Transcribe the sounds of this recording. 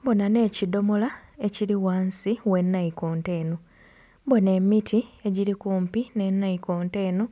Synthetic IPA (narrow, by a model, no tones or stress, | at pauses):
bo̞nane̞ːcido̞molae̞ciɾiwaːnsiwe̞nːaiko̞ːnte̞ːno | bone̞mːitʰie̞ɟiɾikuːmpine̞nːaikoːnte̞ːno